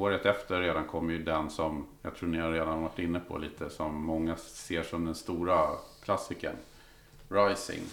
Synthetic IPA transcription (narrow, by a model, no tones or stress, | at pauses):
oːɾət̪ɛft̪əɾːeːd̪ankʰɔmːəjɵd̪ɛnsɔmja̰t̪ʰɾuːnɪhaɾeːd̪anvaʈːɪnːəpʰɔ̰liːt̪ʰəsɔmːɔŋːaseːʂɔmd̪ɛnst̪uːɾakʰlasɪkə̰n | ɾajsɪ̰ŋ